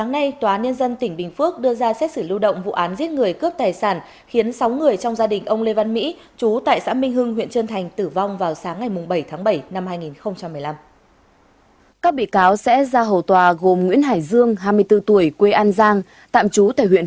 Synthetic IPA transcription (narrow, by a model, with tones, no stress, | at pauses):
saː˨˦ŋna˧jt̪waː˨ʔaː˨˦nɲə˧nzə˧nt̪ï˧˩ŋ̟ɓï˨˩ŋ̟fɨ˦˥ək̚ɗɨ˧əzaː˧sɛ˦˥t̚sɨ˧˩lɨ˧wɗə̰˧˨wŋ͡mvṵ˧˨ʔaː˨˦nzi˦˥ət̚ŋɨ˨˩əjkɨ˦˥əp̚t̪aː˨˩jsaː˧˩n | xi˨˦ənsa˨˦wŋɨ˨˩əjt͡ɕɔ˧wŋ͡mzaː˧ɗï˨˩ŋ̟ʔə˧wŋ͡mle˧va˧nmḭ˧˥ | t͡ɕu˨˦t̪a̰ː˧˨jsa̰ː˧˥mï˧ŋ̟ɦɨ˧ŋɦwḭ˧˨ənt͡ɕəː˧nt̪ʰa˨˩jŋ̟t̪ɨ˧˩va˧wŋ͡mvaː˨˩wsaː˨˦ŋːa˨˩jmʊ˨˩ŋ͡mɓə˧˩jt̪ʰaː˨˦ŋɓə˧˩jna˧mhaː˧jŋi˨˩nxə˧wŋ͡mt͡ɕa˧mːɨ˨˩əjla˧m | kaː˦˥k̚ɓḭ˧˨kaː˨˦wsɛ̰˧˥zaː˧ɦə˨˩wt̪waː˨˩ɣo˨˩mŋwḭ˧˥ənɦaː˧˩jzɨ˧əŋɦaː˧jmɨ˧əjt̪ɨ˧t̪u˧˩əjkwe˧ʔaː˧nzaː˧ŋ | t̪a̰ː˧˨mt͡ɕu˨˦t̪a̰ː˧˨jw̰ə